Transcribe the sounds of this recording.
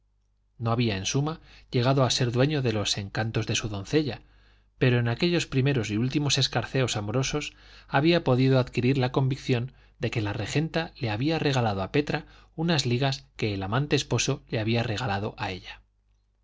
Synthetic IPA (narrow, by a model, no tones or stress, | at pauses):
no̞aβiae̞nsumaʝe̞ɣ̞aðo̞ase̞ɾðwe̞ɲo̞ðe̞lo̞se̞ŋkant̪o̞zðe̞suðo̞n̟θe̞ʎa | pe̞ɾo̞enake̞ʎo̞spɾime̞ɾo̞s̬iult̪imo̞se̞skaɾθe̞o̞samo̞ɾo̞so̞saβiapo̞ðiðoaðkiɾiɾlako̞mbikθjo̞n | d̪e̞ke̞lare̞xe̞nt̪ale̞aβiare̞ɣ̞alað̞oape̞t̪ɾa | unazliɣaske̞ːlamant̪e̞ːspo̞so̞le̞aβiare̞ɣ̞alað̞o̞̰ʔae̞ʎa